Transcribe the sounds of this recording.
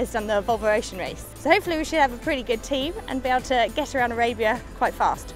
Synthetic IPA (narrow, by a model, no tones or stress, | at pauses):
əzdʌ̃nðəvʌlˠvəɹeɪʃə̃nɹḛɪssəʊhəʊpfəliwiʃədəvəpʰɹ̥ɪtiɡʊd̚tʰĩːvə̰̃nbieɪbl̩ˠtʰəɡɛtəɹãʊ̃ndəɹeɪbiəkʰw̥aɪtfɑ̰ˑst